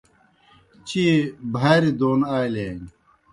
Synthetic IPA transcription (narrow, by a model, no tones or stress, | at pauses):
t͡ɕibʱaːɾid̪oːnaːjleːŋ